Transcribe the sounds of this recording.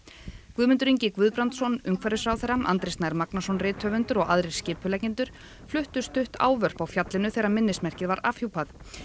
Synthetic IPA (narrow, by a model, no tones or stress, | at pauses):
kvʏðmʏnt̪ʏɾiɲcɪkvʏðpɾant̪sɔnʏŋkfɛɾʏsɾawθɛɾama̰nt̪ɾɪsnaɾmaknasɔnrɪːt̪hœvʏnt̪ʏɾɔɣaðɾɪɾ̥scɪːpʏlɛcɲɪnt̪ʏɾ̥ | flʏht̪ʏst̪ʏht̪a̰ːwvœr̥pawfjat̪lɪnʏθɛɾamɪnːɪsmɛr̥cɪðvaɾaːfhuwpaθ